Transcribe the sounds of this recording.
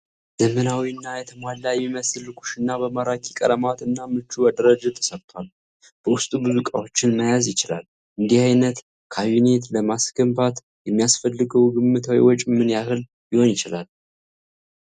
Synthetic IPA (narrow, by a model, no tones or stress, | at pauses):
z̥əmənawiɨnːajɛt̪ʰəmwalːajmiməsɨlːɨkʰu̥ʃɨnːabəmaɾakʰikʼə̰ləmat̪ɨnːamɨt͡ʃːubad̪əɾəd͡ʒɨt̪ʰə̥səɾt̪ʰwʷal | b̥əwʊst̪ʼumuzukʼa̰wo̞t͡ʃːɪnməjazjɪt͡ʃɪla̰l | ʔɨnd̪ihajnət̪ | kʰaunet̪ləmasɡəmbat̪ | jɛmːijasfəlːɨɡəwɡɨmːɨt̪ʰawḭwɔt͡ʃʼɪmɨnjahɨl | jɪhonjɪt͡ʃɪlal